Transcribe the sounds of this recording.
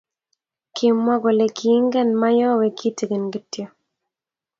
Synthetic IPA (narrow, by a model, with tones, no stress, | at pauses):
kʰɪ˨mːɔ˦ɡɔ˨le˨kʰi˨˦ŋɡɛ˦nma˦jɔ˦wɛ˨ki˦tɡe˨nɡɪ˦tjɔ˨